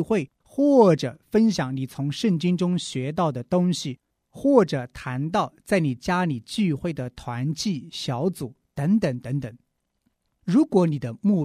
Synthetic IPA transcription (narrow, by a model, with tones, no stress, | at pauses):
xwe˥˩ɪ | xwɔ˥˩ʈ͡ʂɤ˨˩fə˥nɕjɑ˨˩˦ŋni˨˩t͡sʰʊ˧˥ŋʂə˥˩ŋt͡ɕi˥ŋʈ͡ʂʊ˥ŋɕɥɛ˧˥t̪ɑ˥˩ʊd̪ə˩t̪ʊ˥ŋɕi˨˩ | xwɔ˥˩ʈ͡ʂɤ˨˩t̪ʰa˧˥nt̪ɑ˥˧ʊt͡sa˥˩ɪni˨˩t͡ɕja˥ni˨˩t͡ɕy˥˧xwe˥˩ɪd̪ə˩t̪ʰwa˧˥nt͡ɕi˥˩ɕjɑ˧˥ʊt͡su˨˩˦t̪ə˧˥ŋt̪ə˨˩ŋt̪ə˧˥ŋt̪ə˨˩˦ŋ | ɻu˧˥kwɔ˧˥ni˨˩d̪ə˦mu˥˩